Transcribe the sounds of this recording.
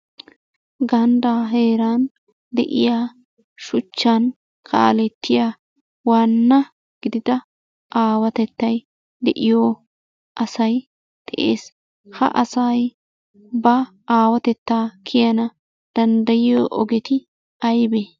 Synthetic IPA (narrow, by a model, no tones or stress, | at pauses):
ɡɐnd̪aːɦe̞ːɾaːn | d̪ɛ̰ʔɪ̰jaː | ʃʊt͡ʃːan | kʰa̰ːlɛt̪ʰːɪjaː | waːnːɐ | ɡ̥ɪd̪ɪd̪ɐ | ʔaːwɐt̪ɛt̪ːɐj | d̪ɛʔɪjo | ʔɐsɐj | d̪̥ɛʔḛːs | hɐ̰ʔɐsɐj | bɐ | aːwɐt̪ɛt̪ːaːkʰɪjɐnɐ | d̪̥ɐnd̪ɐjɪjoːʔɔɡɛt̪ɪ | ɐjbe